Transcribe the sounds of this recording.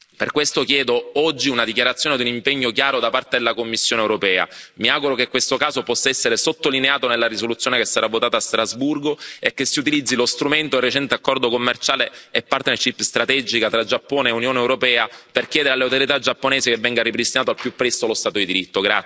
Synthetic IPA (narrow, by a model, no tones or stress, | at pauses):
perkwest̪okjɛːd̪oɔd͡ʒːiunad̪ik̬jaɾat̪sːjoːned̪iunimpɛɲːokjaːɾod̪apart̪ed̪elːakomːisːjoːnewɾopɛːa̰miaɡuɾokekːwest̪okaːzopɔsːaɛsːeɾesot̪ːolineaːt̪onelːaɾisolut̪sːjoːnekesːaɾavːot̪aːt̪aːst̪ɾazburɡoekːesːiut̪̬ilid̪zːilost̪ɾument̪oerːet͡ʃɛnt̪eakːɔrd̪okomːert͡ʃaːleːpːart̪neʃipst̪ɾat̪ɛd͡ʒikat̪ɾad͡ʒapːoːneːunjoːnewɾopɛːaperkjɛːd̪eɾalːeawt̪oɾjet̪ad͡ʒapːoneːsekevːɛŋɡaripɾist̪inaːt̪oalpjupːɾɛst̪olost̪at̪od̪id̪iɾit̪ːoɡɾa̰